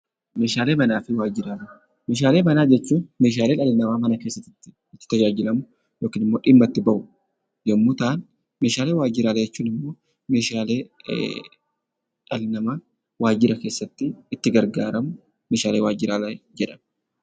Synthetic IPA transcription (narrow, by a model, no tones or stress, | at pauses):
me̞ːʃaːleːbɐnaːfɪwaːd͡ʒɪɾaːlɐ | me̞ːʃaːle̞ːbɐnaːd͡ʒɛt͡ʃːuːmeːʃ̬aːle̞ːᶑɐlɪnɐmaːmɐnɐke̞ːsːɐt̪ːɪt̪ːɪ̥ | ɪt̪ːɪ̥t̪ɐd͡ʒaːd͡ʒɪlɐmʊ | jo̞ːkiːnɪmːo̞ːᶑɪmːɐt̪ːɪbɐʔʊ | jɐmːʊt̪aːn | me̞ːʃaːle̞ːwaːd͡ʒɪɾaːlɐd͡ʒɛt͡ʃːuːnɪmːo̞ː | me̞ːʃaːle̞ː | ᶑɐlɪnɐmaː | waːd͡ʒɪɾɐke̞ːsːɐt̪ːɪɪt̪ːɪɡɐɾɡaːɾɐmʊ | me̞ːʃaːle̞ːwaːd͡ʒɪɾaːlɐjd͡ʒɛᶑɐm